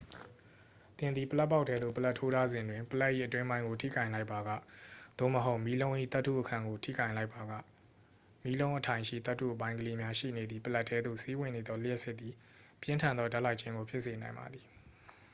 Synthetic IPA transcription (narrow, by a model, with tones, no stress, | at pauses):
t̪ɪ̃˨nd̪ði˨pəla˦pːa˦ʊʔtʰːɛ˦d̪ðo˦˨pəla˦tʰo˦ɾʰa˦zɪ̃˨ndwɪ̃˨mpəla˦ʔːḭ˦˨ʔətwɪ̃˦mbã˦ɪ̃ŋɡo˨tʰḭ˦˨kã˨ɪ̃la˦ɪpːa˨ɡä̰˦˨d̪̥o̰˦˨məɦo˦ʊʔmi˦lõ˦ʊ̃ʔḭ˦˨t̪a˦tʰːṵ˦˨ʔəkʰã˨ŋɡo˨tʰḭ˦˨kã˨ɪ̃la˦ɪpʰːa˨ɡä̰˦˨ | mi˨˦lõ˦ʊ̃ʔətʰã˨ɪ̃ʃḭ˦˨t̪a˦tʰːṵ˦˨ʔəpã˦ɪ̃ŋɡəle˦mja˦ʃḭ˦˨ne˨d̪ði˨pəla˦ʔtʰːɛ˦d̪ðo̰˦˨si˦wɪ̃˦˨ne˨d̪ɔ˦lɪ˦jɛ˦sɪ˦ʔ̪̚ːi˨ | pjɪ̃˦ntʰã˨nd̪ðɔ˦da˦ʔla˦ɪʔt͡ɕʰɪ̃˦ŋɡo˨pʰjɪ˦ʔse˨nã˨ɪmba̰˨d̪i˨